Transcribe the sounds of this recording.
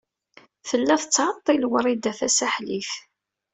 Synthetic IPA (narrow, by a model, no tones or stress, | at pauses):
θəlːæθət͡sːʕət̪ˤːilwəɾˤid̪æθæsæħliθ